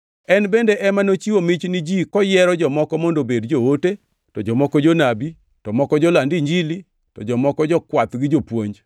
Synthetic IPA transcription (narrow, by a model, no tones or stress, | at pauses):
ɛnbendeʔɛmanot͡ʃiwomɪt͡ʃnɪd͡ʒikɔjɛɾɔd͡ʒɔmɔkɔmondobedd͡ʒoote | tɔd͡ʒɔmɔkɔd͡ʒonabi | tɔmɔkɔd͡ʒɔlandiɲd͡ʒili | tɔd͡ʒɔmɔkɔd͡ʒɔkwat̪ɡɪd͡ʒopwoɲd͡ʒ